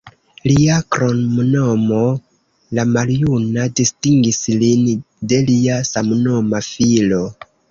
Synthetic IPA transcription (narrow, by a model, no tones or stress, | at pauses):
liakɾonmnomo̞ | lamaljunadistiŋɡislin | de̞liasamnomafilo̞